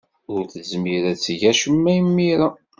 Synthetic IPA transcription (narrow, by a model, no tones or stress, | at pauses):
ʊɾθəzmiɾæt͡sːʝæʃəmːæjəmːiɾa